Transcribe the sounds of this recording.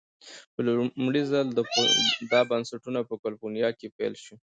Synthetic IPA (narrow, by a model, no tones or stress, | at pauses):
pəlʊmɽizald̪əd̪ɑbansaʈunapəkalfonijɑkepḛlʃi